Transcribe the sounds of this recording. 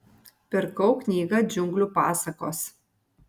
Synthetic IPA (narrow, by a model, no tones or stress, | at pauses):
pʲɪɾkɐʊknʲiːɡɐd͡ʒʲʊŋɡlʲuːpɑːsɐkoːs